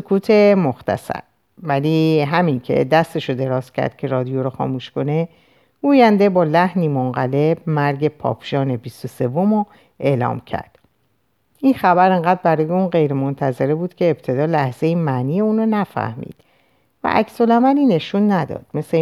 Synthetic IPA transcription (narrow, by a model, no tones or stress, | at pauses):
sokʰuːt̪ʰe̞moxt̪ʰæ̰sæ̰ɾ | væliɦæmincʰe̞̰d̪æst̪e̞ʃod̪e̞ɾɒːscʰæ̰ɾd̪̥̚cʰe̞ɾɒːd̪ijoɾɔxɒ̰ːmuːʃko̞ne̞ | uːjænd̪e̞bɒːlæhniːmoŋɢæle̞b̚mæɾɟe̞pʰɒ̰ːpʰʒ̥ɒːne̞bist̪o̞se̞vo̞mo | ʔe̞ːlɒ̰ːmcʰæ̰ɾd̪̥ | ʔinxæbæɾe̞ŋɢæːd̪̚bæɾɒːjeunɢe̞jɾe̞mont̪ʰæze̞ɾebuːd̪̥cʰeːb̥t̪ʰe̞d̪ɒːlæhz̥e̞jimæniːjeuːnonæfæ̰hmḭːd̪̥ | væ̰ʔæ̰cso̞læmæliːne̞ʃunːæd̪ɒ̰ːd̪̥me̞se